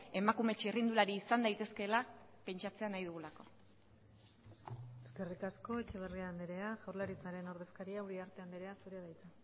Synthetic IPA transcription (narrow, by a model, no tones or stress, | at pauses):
e̞makume̞t͡ʃirind̪ulaɾiːsand̪ajt̪e̞ske̞la | pe̞nt͡ʃat͡se̞anajðuɣulako̞̰ | eske̞rikasko̞et͡ʃeβeriand̪eɾe̞aʝawɾlaɾit͡saɾe̞no̞ɾðe̞skaɾiauɾiaɾt̪eand̪iɾe̞asuɾeaðajt͡se